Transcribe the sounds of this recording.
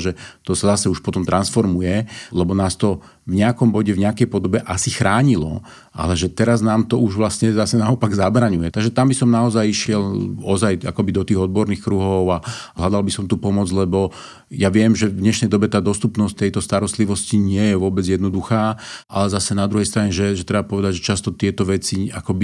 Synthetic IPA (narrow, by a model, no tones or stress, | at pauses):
ʒɛt̪ɔsazasɛuʃpɔt̪ɔmt̪ɾʔansfɔɾmujɛlɛbɔnaːst̪ɔ | vɲɛakɔmbɔɟɛvɲɛakɛjpɔd̪ɔbɛʔasixɾaːɲilɔ̰ | ʔa̰lɛʒɛt̪ɛɾaznaːmt̪ɔuʒʋlasɲɛzasɛnaɔpaɡzabɾaɲujɛt̪aɡʒɛt̪ambisɔmnaɔzajiʃɪɛlɔzaja̰kɔbid̪ɔt̪iːɣɔd̪̚bɔɾniːxkɾuɦɔʊalad̪albisɔmt̪upɔmɔd͡zlɛbɔ | jaʋɪɛmʒɛdɲɛʃnɛjd̪ɔbɛt̪aːd̪ɔst̪upnɔsct̪ːɛjt̪ɔst̪aɾɔst̪liʋɔsciɲɪɛjɛʋʊɔbɛd͡zjɛd̪nɔd̪uxaːʔalɛzasɛnad̪ɾuɦɛjst̪ɾaɲɛʒɛʒɛt̪ɾɛbapɔʋɛd̪aɟʒɛt͡ʃast̪ɔt̪ɪɛt̪ɔʋɛt͡sia̰kɔbi